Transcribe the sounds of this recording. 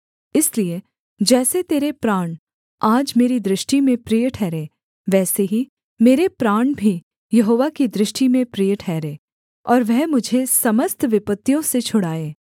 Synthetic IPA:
ɪslie | d͡ʒɛːset̪eːɾepɾaːɳ | aːd͡ʒmeːɾid̪ɾɪʃʈimẽpɾijəʈʰɛːɾeː | ʋɛːseɦi | meːɾepɾaːɳ̃bʱi | jɐɦoːʋakid̪ɾɪʃʈimẽpɾijəʈʰɛːɾeː | ɔːɾʋɛɦmʊd͡ʒʱesɐməst̪ʰʋɪpət̪ːijõset͡ʃʰʊɽaːeː

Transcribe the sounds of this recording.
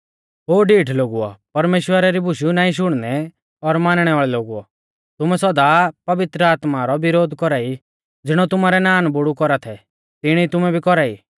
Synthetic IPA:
ɦoːɖiːʈʰloːɡuɔ̰pɐɾmeːʃwəɾaɾibʱʊʃjunaːĩʃ̬ʊɽ̃nɛ | ɔɾmaːnɽ̃ɛʋaːɭɛloːɡuɔ̰ | t̪ʊmɛsɔd̪apɐʋɪt̪ɾəaːt̪maɾɔʋɪɾoːd̪ʱkɔɾaːi | d͡zɪɽ̃ɔt̪ʊmaɾɛnaːnbʊɽukɔɾat̪ʰɛ | t̪ɪɽ̃it̪ʊmɛbʱikɔɾaːḭː

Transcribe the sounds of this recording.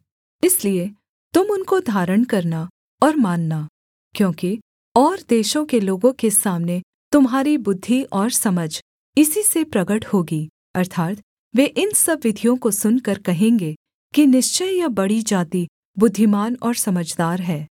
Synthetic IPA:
ɪslie | t̪ʊmʊnkod̪ʱaːɾəɽ̃kɐɾna | ɔːɾmaːnːa | kjõːki | ɔːɾd̪eːʃõkeloːɡõkesaːmne | t̪ʊmɦaːɾibʊd̪ʱːiʔɔːɾsɐməd͡ʒʱ | ɪsisepɾɐɡəʈhoːɡiː | ɐɾt̪ʰaːt̪ | ʋeːʔɪnsɐbʋɪd̪ʱijõkosʊnkɐɾkɐɦẽːŋɡe | kinɪʃt͡ʃəjjabɐɽid͡ʒaːt̪i | bʊd̪ʱːimaːnɔːɾsɐməd͡ʒd̪aːɾɦɛː

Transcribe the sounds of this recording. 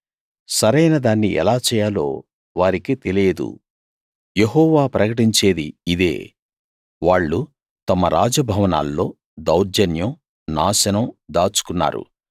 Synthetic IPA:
sɐɾɐjnɐd̪aːnːiʔɛ̰laːt͡ʃɛːjaːlo̞̰ː | ʋaːɾikit̪e̞leːd̪ṵ | jeɦɔːʋaːpɾɐkɐʈiɲt͡ʃe̞ːd̪iːd̪e̞̰ː | ʋaːɭːu | t̪ɐmɐɾaːd͡ʒɐbʱɐʋɐna̰ːlːo̞ː | d̪ɐwɾd͡ʒɐnjɐm | naːʃɐnɐmd̪aːt͡ʃu̥kunːa̰ːɾṵ

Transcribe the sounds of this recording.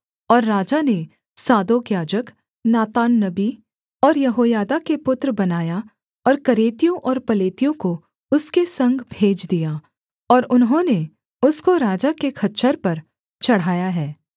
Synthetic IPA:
ɔːɾːaːd͡ʒane | saːd̪oːkjaːd͡ʒək | naːt̪aːnːɐbi | ɔːɾjɐɦoːjaːd̪akepʊt̪ɾbɐnaːja | ɔːɾkɐɾeːt̪ijõʔɔːɾpɐleːt̪ijõko | ʊskesɐ̃ŋɡʱbʱeːd͡ʒd̪ijaː | ɔːɾʊnɦõne | ʊskoɾaːd͡ʒakekʰɐtːt͡ʃəɾpɐɾ | t͡ʃɐɽ̤ɦaːjaɦɛː

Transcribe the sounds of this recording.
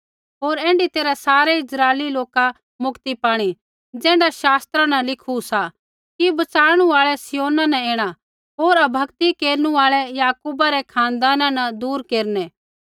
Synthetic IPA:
ɦoːɾɛ̃ːɳɖit̪eːɾasaːɾɛɪsɾaːliloːka | mʊkt̪ipaːɽ̃i | d͡ʒɛ̃ːɳɖaʃaːst̪ɾãnɐlɪkʰusa | kibɐt͡ʃaːɾɽ̃ũaːɭɛsɪjoːnãnɛẽːɽ̃a | ɦoːɾɐbʱɐkt̪ikeːɾnũaːɭɛjaːkuːbaɾɛkʰãːnd̪aːnãnɐd̪uːɾkeːɾnɛː

